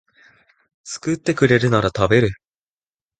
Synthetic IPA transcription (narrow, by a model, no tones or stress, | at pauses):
sɨ̥kɯ̟t̪ːe̞kɯ̟ɾe̞ɾɯ̟naɾat̪abe̞ɾɯ̟